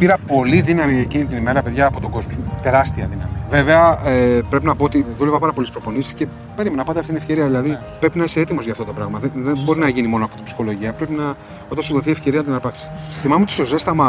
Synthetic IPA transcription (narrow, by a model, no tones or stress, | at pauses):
piɾɐpo̞liðinɐmiecinit̪inime̞ɾɐpe̞ðʝɐːpo̞t̪oɡo̞zmot̪e̞ɾɐst̪iɐ̰ðinɐ̰mive̞ve̞ɐepɾe̞pinɐpoot̪iðule̞vɐpɐɾɐpo̞lispɾo̞po̞nisi̥sce̞ | peɾimenɐpɐt̪ɐft̪it̪nefce̞ɾiɐðilɐði | pɾe̞pinɐise̞et̪imo̞zʝɐːft̪o̞t̪o̞pɾɐɣmɐðeðenbo̞ɾinɐʝinimo̞noɐpo̞t̪impsi̥xo̞lo̞ʝiɐpɾe̞pinɐ | o̞t̪ɐnsuðoθiefce̞ɾiɐnɐt̪inɐpɐksi̥sθimɐmeot̪ist̪ose̞st̪ɐmɐ